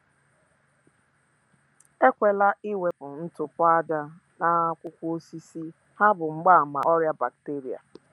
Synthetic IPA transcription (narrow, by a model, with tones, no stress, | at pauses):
e˦kʷe˨la˦i˦we˨pʊ˨n̩˦tʊ˨pʊ˦a˦da˦ | na˦kʷʊ˦kʷu˦o˦si˦si˦ | ha˦bʊ˨ŋ͡m̩˦ɡ͡ba˦˨ma̰˨ʔɔ˦ɾja˦ba˨k̚te˦ɾi˨a̰˨